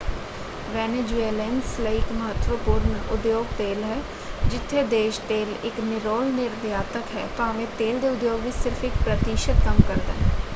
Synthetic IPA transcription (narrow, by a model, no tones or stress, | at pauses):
ʋɛːned͡ʒueːlɛ̃nsləiɪkməɦət̪ʋəpuːɾnʊd̪joːɡt̪eːlɦɛː | d͡ʒɪt̪ʰːed̪eːʃt̪eːlɪknɪɾoːlnɪɾd̪jaːt̪əkɦɛ̰ːt̪ãːʋẽːt̪eːld̪eːʊd̪joːɡʋisɪɾpʰɪk̚pɾət̪iːʃəd̪̚kɐmkəɾd̪a̰ː